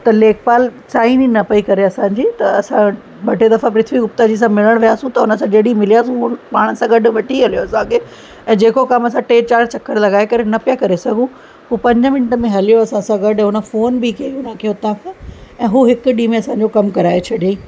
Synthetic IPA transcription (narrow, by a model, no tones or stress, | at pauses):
t̪ɐleːk̚paːlt͡ɕaːinĩnɐpɐikɐɾeɐsãːɲd͡ʑiːt̪ɐɐsã | bɐʈed̪ɐfapɾɪt̪ʰʋiɡʊpt̪əd͡ʑiːs̬ãmɪləɽ̃ʋijaːsũt̪ɐʊnə̆sãd͡ʑeːɽimɪlijaːsũɦupaːɽ̃əsãɡɐɖʊ̆ʋɐʈʰiɦɐlijoɐsãkʰeː | ɛ̃ːd͡ʑeːkokɐmɐsãʈeːt͡ɕaːɾt͡ɕɐkʰːəɾ̃lɐɡaːekɐɾenɐpijakɐɾesɐɡʱũ | ɦuːpɐ̃ɲd͡ʑəmɪnʈə̆mẽɦɐlijoɐsãsãɡɐɖʱɦʊnə̆foːnbikɐiʊnəkʰeːʊt̪ãkʰãɛ̃ːɦuːɦɪkɗiːmẽɐsãɲ̆d͡ʑokɐmkɐɾaːet͡ɕʰɐɗẽ